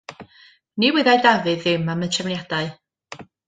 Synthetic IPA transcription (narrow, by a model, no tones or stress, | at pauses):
niwɪðajdavɨðɪmamətʰɛvnjad̥aɨ